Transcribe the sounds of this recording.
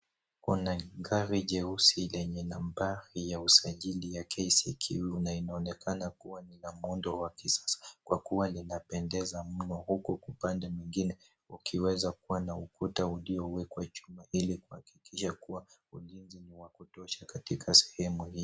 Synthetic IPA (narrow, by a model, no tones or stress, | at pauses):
kunaɡaɾiʄɛusilɛɲɛnambaɾijausaʄilijakʰɛiskʰiwiunainaɔnɛkʰanakuwanilamɔndɔwakisḁsḁkwakuwalinapɛndɛzam̩nɔhukɔkupandɛmwiŋɡinɛ | ukʰiwɛzakuwanaukutauliɔwɛkwat͡ʃumailikuhaki̥kiʃakuwaulinziniwakutɔʃakatikʰasɛ̥hɛmuhi